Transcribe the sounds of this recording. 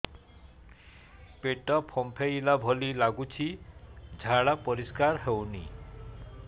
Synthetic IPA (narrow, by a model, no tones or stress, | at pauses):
peʈɔpʰɔmpʰejlabʱɔlilaɡut͡ʃʰid͡ʒʱaɭapɔɾiskaɾɦewni